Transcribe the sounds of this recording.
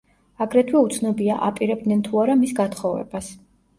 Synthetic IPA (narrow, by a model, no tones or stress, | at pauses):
aɡɾɛt̪ʰwɛut̪sʰnɔbia̰ʔapʼiɾɛb̚d̪nɛnt̪ʰuaɾamisɡat̪ʰχɔvɛ̰b̥as